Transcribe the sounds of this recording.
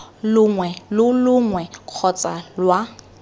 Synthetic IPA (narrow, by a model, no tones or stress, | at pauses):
lʊŋwɛlʊlʊŋwɛq͡χʰɔt͡sʼalwa